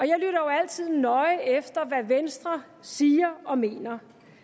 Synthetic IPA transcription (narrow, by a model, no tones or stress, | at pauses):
ɒ̽jɑ̈ɪlyɾ̥ɐjoæl̰t͡sʰið̰ˠnɒ̽ɪefd̥ɐʋæʋensd̥ʁɐ | siːɐɒ̽me̝̰ːnɐ